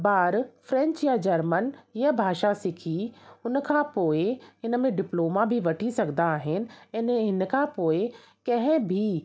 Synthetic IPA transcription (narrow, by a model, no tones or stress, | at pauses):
baːɾfɾɛ̃ɲt͡ɕjad͡ʑɐɾmənjəbʱaːʃasɪkʰiʊnəkʰãpoːɪɦɪnə̆mẽɖɪploːmabʱiʋɐʈʰisɐɡd̪aːɦɪnɪ̆ɪ̃nɦɪn̆kʰãpoːɪ | kɐ̃ɦɪ̃bʱi